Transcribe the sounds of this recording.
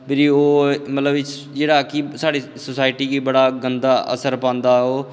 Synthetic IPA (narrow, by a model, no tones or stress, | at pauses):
pɪɾiːoːmət̪ləbɪ | d͡ʒeːɽaːkisaːɽiːsəsaːɪʈiːkiːbəɽaːɡənd̪aːʔə̰səɾpãːnd̪aːoː